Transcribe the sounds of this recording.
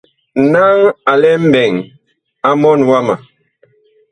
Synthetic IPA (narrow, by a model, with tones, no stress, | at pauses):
na˦ŋa˨lɛ˦m̩˦bɛ˨ŋ | a˦mɔ˦˨nwa˦ma˨